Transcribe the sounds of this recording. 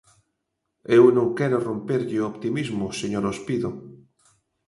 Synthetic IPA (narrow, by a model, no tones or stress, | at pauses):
ewnõŋkɛɾorompeɾʎeoopt̪imizmoseɲoɾospiðo